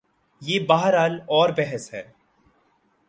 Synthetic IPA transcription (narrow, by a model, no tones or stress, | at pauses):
jeːbaːɦəɾaːlɔːɾbɛɦɛsɦɛː